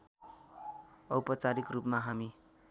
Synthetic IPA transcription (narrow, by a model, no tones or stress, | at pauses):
ʌwpʌt͡saɾikrupmaɦami